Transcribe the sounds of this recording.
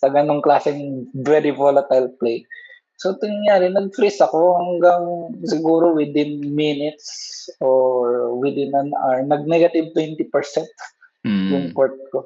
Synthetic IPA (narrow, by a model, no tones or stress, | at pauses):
sɐɡɐnoŋklaːsɪŋvɛːɾɪvolɐt̪ɐjlplej | sot̪ʊnŋjaːɾɪnɐɡ̚fɾɛsɐko̞hɐŋɡɐŋsɪɡuːɾo̞wɪd̪ɪnminɪt̪̚soɹwɪd̪ɪnɐnʔɐɹnɐɡ̚nɛɡɐt̪ɪb̚t̪wɛnt̪ɪpɛɹsɛnt̪ | jʊŋkoɹt̪̚ko